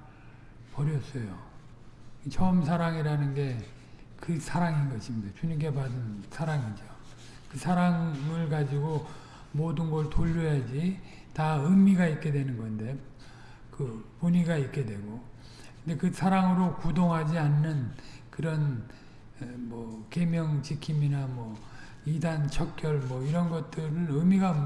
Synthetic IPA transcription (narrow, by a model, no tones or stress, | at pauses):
pʌɾjʌs͈ʌjo | t͡ɕʰʌmsʰaɾaŋiɾanɯnɡe̞kɯsʰaɾaŋinɡʌɕʰimɲidat͡ɕuɲimk̬e̞padɯnsʰaɾaŋid͡ʑo | kɯsʰaɾaŋɯɭkad͡ʑiɡo | modɯnɡʌɭtoʎːʌjad͡ʑi | taɯmiɡaik͈e̞dwe̞nɯnɡʌnde̞ | kɯpoɲiɡaik͈e̞dwe̞ɡo | kɯnde̞kɯsʰaɾaŋɯɾokudoŋɦad͡ʑianːɯnkɯɾʌn | mwʌke̞mjʌŋt͡ɕikʰiminamwʌ | idant͡ɕʰʌk̚k͈jʌɭmwʌiɾʌnɡʌt̚t͈ɯɾɯnɯmiɡa